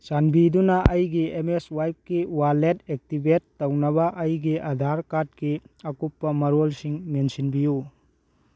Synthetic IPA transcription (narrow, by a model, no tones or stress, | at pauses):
sanbidunɐɐjɡiemeswajp̚kiwaletek̚tibetːɐwnɐβɐʔɐjɡiʔɐdʱaɾkat̚kiɐkupːɐmɐɾolsiŋmensinbiju